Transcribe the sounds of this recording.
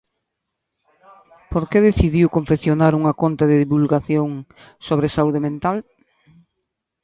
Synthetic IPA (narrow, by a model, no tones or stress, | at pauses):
poɾkeðeθiðiwkoɱfeθjonaɾuŋɐkont̪aðeðiβulɣaθjoŋ | soβ̞ɾesauðemẽnt̪al